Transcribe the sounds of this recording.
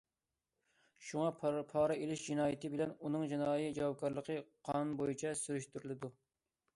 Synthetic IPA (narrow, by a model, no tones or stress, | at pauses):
ʃuŋɑpʰɑːɾɛelɪʃd͡ʒinɑːjit̪ʰɪbɪlɛnunɨŋd͡ʒinɑːjid͡ʒɑwɑp̚kʰɑɾlˠəqʰəqʰɑnnbojit͡ʃʰɛsyɾyʃt̪yɾɪlɪd̪u